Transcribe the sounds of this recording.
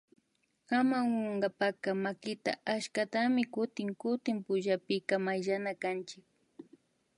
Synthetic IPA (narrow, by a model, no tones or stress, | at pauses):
amaŋwaŋɢɑpakamakɪt̪a̰ʔaʃkat̪amɪkʊt̪ɪŋkʊt̪ɪmpʊʒapɪkamajʒanakant͡ʃɪk̚